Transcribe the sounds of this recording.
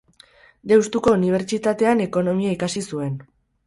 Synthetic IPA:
d̪e̞wst̪uko̞uniβ̞e̞ɾt͡ʃit̪at̪e̞ane̞ko̞no̞miaikasisue̞n

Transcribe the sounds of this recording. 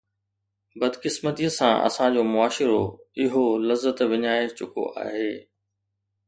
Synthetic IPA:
bɐd̪kɪsmət̪iəsã̰ʔɐ̰sãd͡ʑoːmʊaːʃɪɾoɪɦolɐzːət̪ʋɪɲaːɪt͡ɕʊkʰo̰ʔa̰ːɦeː

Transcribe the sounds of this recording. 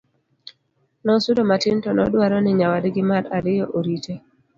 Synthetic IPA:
nɔsʊdomatɪntɔnɔdwaɾɔnɪɲawadɡɪmaɾaɾɪjɔʔoɾite

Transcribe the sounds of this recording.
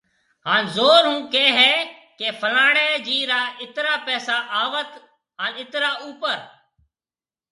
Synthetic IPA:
ɦaːnzoːɾɦũːkeːɦɛːkeːpʰəlaːɽeːd͡ʒiːɾaːɪt̪ɾaːpɛːsaːʔaːʋət̪ | ɦaːnɪt̪ɾaːuːpəɾ

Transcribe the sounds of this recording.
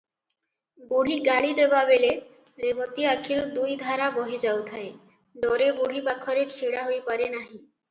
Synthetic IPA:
buɽ̤iɡaɭid̪ebabele | ɾebot̪iakʰiɾod̪ujd̪ʱaɾaboɦid͡ʑawt̪ʰae | ɖoɾebuɽ̤ʱibakʰːɔɾeɾt͡ɕʰiɽaɦojpaɾenaɦĩ

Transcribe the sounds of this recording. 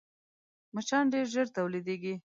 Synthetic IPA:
mət͡ʃɑnɖeɾʒəɾt̪awlid̪eɡi

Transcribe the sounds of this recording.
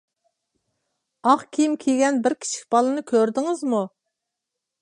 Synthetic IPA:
ɑqkʲʰijimkʲʰeɡʲɛnbɪɾkʲʰi̥t͡ʃʰi̥kʲb̥ɑlˠɨnɨkʲʰøɾd̪ɪŋɪzmu

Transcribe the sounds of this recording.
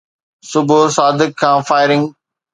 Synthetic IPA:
sʊbʱʊsaːd̪ɪkʰːãːfaːɪɾɪ̃ŋɡ

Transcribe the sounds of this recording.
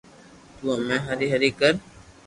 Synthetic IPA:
t̪uamɛ̃ːɦəɾiɦəɾiːkəɾ

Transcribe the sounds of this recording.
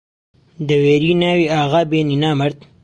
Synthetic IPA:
d̪əweːɾinawiaːɣabeninaːmɐɾt̪

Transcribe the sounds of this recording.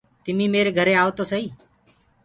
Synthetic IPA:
t̪ɪmĩːmeːɾeːɡʱəɾeːaːʋot̪oːsəiː

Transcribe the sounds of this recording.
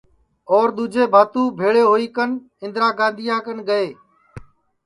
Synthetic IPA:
ɔːɾɗ̪uːd͡ʒʱeːbʱaːt̪ũːbʱeːɭeːɦoːiːkən | ɪ̃nd̪ɾaːɡãːnd̪ʱɪjãːkənɡəeː

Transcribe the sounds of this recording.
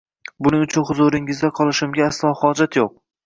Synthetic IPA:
bʊnɪŋʊt͡ʃʰʊnχʊzʊɾɪŋɪzd̪aqʰɒlˠɪʃɪmɡʲaːslˠɒhɒd͡ʒat̪joq̚

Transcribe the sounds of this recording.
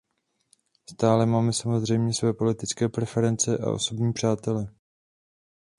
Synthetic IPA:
st̪aːlɛmaːmɛsamo̞zr̝ɛjmɲɛsvɛːpo̞lɪt̪ɪt͡skɛːpɾɛfɛɾɛnt͡sɛʔa̰ʔo̞̰so̞bɲiːpr̥aːt̪ɛlɛ

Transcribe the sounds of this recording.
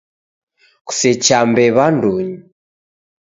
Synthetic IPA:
ku̥sɛt͡ʃambɛβanduɲi

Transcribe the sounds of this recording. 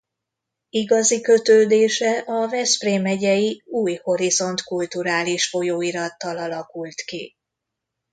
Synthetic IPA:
iɡɒzikø̞t̪øːd̪eːʃɛʔɒvɛspreːmɛɟɛjiuːjho̞ɾizo̞nt̪kult̪uɾaːliʃfo̞joːiɾɒt̪ːɒlɒlɒkult̪kḭ

